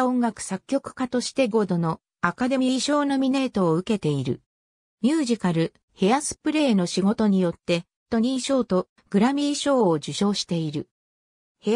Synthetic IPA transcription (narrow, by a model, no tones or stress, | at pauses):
õ̞ŋɡakɯ̟̥sakʲːo̞kɯ̟̥kat̪o̞ɕi̥t̪e̞ɡo̞d̪o̞no̞ | akad̪e̞mʲiːɕo̞ːno̞mʲine̞ːt̪o̞ːɯ̟ke̞t̪e̞iɾɯ̟̰ | mʲɨːʑikaɾɯ̟ | he̞asɨ̥pɯ̟ɾe̞ːno̞ɕiɡo̞t̪o̞ɲ̟ijo̞t̪ːe̞ | t̪o̞ɲ̟iɰɕo̞ːt̪o̞ | ɡ̥ɯ̟ɾamʲiːɕo̞ːd͡ʑɨɕo̞ːɕi̥t̪e̞iɾɯ̟ | he